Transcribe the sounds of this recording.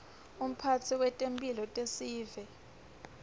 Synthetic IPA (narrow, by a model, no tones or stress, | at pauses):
um̩pʰatʰiwɛtʼempʼilɔtʼesiːvɛ